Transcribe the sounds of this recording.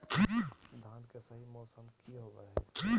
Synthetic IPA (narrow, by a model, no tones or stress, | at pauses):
t̪ʰiːkd̪ʱãːnkesɐɦimɔːsəmkʰiɦoːɡəɦɛʈ̪ʰiː